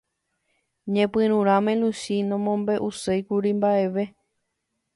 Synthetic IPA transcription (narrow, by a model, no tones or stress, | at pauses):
ɲẽpɨ̃ɾ̃ũɾ̃ãmẽluʃinõ̞mõmbe̞ʔusejkuɾimbaʔeʋe